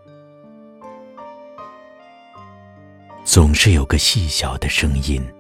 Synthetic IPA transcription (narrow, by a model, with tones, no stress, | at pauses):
t͡sʊ˨˩ŋʂɻ̩˥˩jo˨˩ʊɡə˦ɕi˥˩ɕjɑ˨˩ʊd̪ə˦ʂɤ˥ŋi˥n